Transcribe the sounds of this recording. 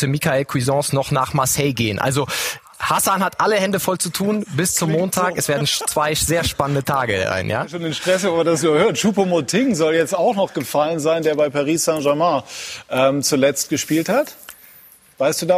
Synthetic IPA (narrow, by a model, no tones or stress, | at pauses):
təmikaɛlkʰwizɔ̃ːsnɔχnaːχmasɛɪɡeːənʔa̰lzo | hasanhatʔaləhɛndəfɔlt͡sutʰuːnbɪst͡sʊmːoːntʰaːkɛsv̥eːɐdn̩t͡sv̥aɪz̥eːɐʃpanəndətʰaːɡə̰a̰ɪnja̰ːʃoːnɪnʃtʁ̥ɛsvɛmandasnuːɐhøːɐtʃuːpomotʰɪŋzɔljɛt͡staʊxnɔχɡ̥əfalənzaɪndeːɐbaɪpaʁiːssɛ̃ʒamãʔɛːmt͡sulɛt͡st̚ɡ̥əʃpiːlthat | v̥aɪstd̥uːda